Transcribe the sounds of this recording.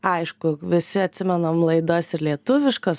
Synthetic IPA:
ɐɪʃkʊʋʲɪsʲɪɐt̪ʲsʲɪmʲɛnomlˠɐɪd̪osɪɾlʲiɛt̪ʊʋʲɪʃkos

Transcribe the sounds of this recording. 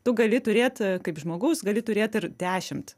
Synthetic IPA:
t̪ʊɡɐlʲɪt̪ʊɾʲeːt̪kɐɪpʒmoːɡɐʊsɡɐlʲɪt̪ʊɾʲeːt̪ɪɾd̪ʲæːʃʲɪmt̪

